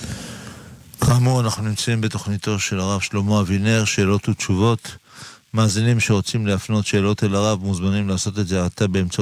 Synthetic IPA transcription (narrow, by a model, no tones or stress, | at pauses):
kʰaːmuʁanaχnunimt͡saimbet̪o̞χnit̪o̞ʃe̞laʁavʃlo̞mo̞avineʁʃe̞ːlo̞tutt͡ʃuvo̞t̪ | maːzinimʃe̞ʁo̞t͡simleafno̞t̪ʃe̞ːlo̞t̪elaʁavmuzmanimlaːso̞t̪e̞dzeat̪abe̞ːmt͡sa